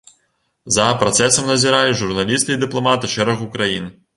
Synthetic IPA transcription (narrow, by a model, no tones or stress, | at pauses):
zɐpɾat̪sɛsɐmnɐzʲiɾalʲiʐurnalʲist̪ɨid̪ɨplˠɔmat̪ɨʂɛɾɐɣukɾajin